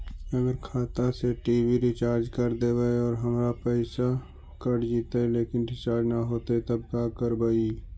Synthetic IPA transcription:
əɡəɾkʰaːt̪aseʈiːbiɾɪt͡ʃaːɾd͡ʒkəɾd̪eːbəeɔːɾɦəmɾapəɪsa | kəɽd͡ʒiːt̪eleːkɪnɾɪt͡ʃaːɾd͡ʒnaɦoːt̪et̪əb̚kakəɾbai

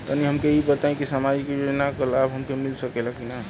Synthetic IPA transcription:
t̪əniɦəmkeibət̪aĩkisamad͡ʒkejod͡ʒnakəɾlaːbɦəmkemilsəkɛlakina

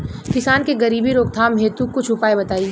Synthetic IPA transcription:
kɪsaːnkeɡɐɾiːbiɾoːk̚t̪ʰaːmɦeːt̪ukʊt͡ʃʰʊpaːebɐt̪aːiː

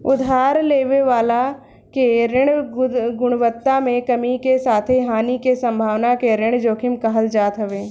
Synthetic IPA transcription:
ʊd̪ʱaːɾleːʋeʋaːla | keɾɪɽ̃ɡʊɽ̃ʋət̪ːamẽkɐmikesaːt̪ʰeɦaːnikesɐ̃mbʱaːʋnakeɾɪɽ̃d͡ʒoːkʰɪmkɐɦəld͡ʒaːt̪ɦɐʋeː

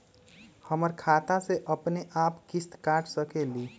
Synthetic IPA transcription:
həməɾkʰaːt̪aseʔəpneʔaːpkɪst̪kaːʈʰsəkeliː

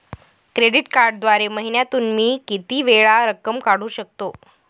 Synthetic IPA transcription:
kɾeɖiʈkaɾɖd̪ʋaɾeməɦinjat̪uːnmiːkit̪iːʋeɭaɾəkːəmkaɽ̤uːɕək̚t̪o

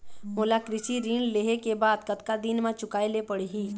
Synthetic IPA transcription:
moːlakɾɪʃiɾiːɳleːɦekebaːd̪kɐt̪kad̪inmãt͡ʃʊkaːelepəɽeɦiː

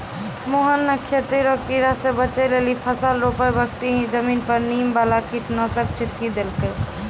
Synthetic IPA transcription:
moɦənːəkʰet̪iɾəktiɾasebət͡ʃəjlelipʰəsalɾopəjbəɡt̪iɦĩd͡ʒəmiːnpəɾniːmbalakit̪nəsək̚t͡ʃʰit̪kid̪elkəj

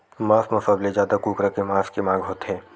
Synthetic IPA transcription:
maːsmɐfaːblezjaːd̪akuːkɾakemãːskemãːɡɦoːt̪ɦɛ̃ː

